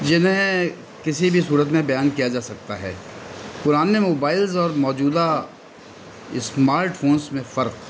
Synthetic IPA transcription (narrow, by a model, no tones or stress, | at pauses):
d͡ʒɪnɦẽ | kɪsibʱisuːɾət̪mẽbɐjaːnkijad͡ʒaːsɐk̚t̪aɦɛ̰ːpʊɾaːnemoːbaːɪlzɔːɾmɔːd͡ʒuːd̪a | ɪ̰smaːɾʈfʰoːnsmẽfɐɾq